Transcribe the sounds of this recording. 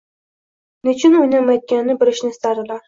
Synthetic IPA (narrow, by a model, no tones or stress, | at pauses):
nɪt͡ʃʰɪnojnamajd̪̚ɡʲanːɪbɪɾɪʃnɪɪst̪aɾd̪ɪlaɾ